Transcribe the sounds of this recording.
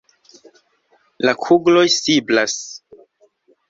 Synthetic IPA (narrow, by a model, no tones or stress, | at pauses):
lakʰuɡlo̞jsiblas